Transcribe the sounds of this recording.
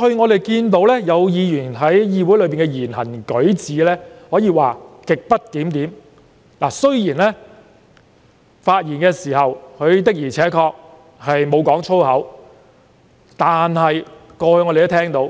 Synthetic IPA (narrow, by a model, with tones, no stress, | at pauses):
hɵ˧ɥŋɔː˨˧t̪e˨jkiː˧nt̪̬o˨˥wlɛː˥jɐ˨˧wjiː˨˧jyː˨˩nɦɐ˨˥jjiː˧wu˨˥jlɵ˨˧piː˨nŋkɛ˧jiː˨˩nhɐ˨˩nkɵ˨˥ɥt͡siː˨˧lɛː˥hɔː˨˥jiː˨˧waː˨kɪ˨k̚pɐ˥t̚t̪iː˨˥mt̪iː˨˥m | laː˨˩sɵ˥ɥjiː˨˩nlɛː˥ | faː˧t̚jiː˨˩nkɛː˧siː˨˩hɐ˨wkʰɵ˨˧ɥt̪ɪ˥k̚jiː˨˩t͡sʰɛː˨˥kʰɔː˧k̚ | hɐ˨jmo˨˧wkɔː˨˥ŋt͡ʃʰo˥whɐ˨˥w | t̪aː˨nɦɐ˨jkɔː˧hɵ˧ŋɔ˧ɾe˨jɐ˥t̪ʰɛː˥ŋt̪o˨˧w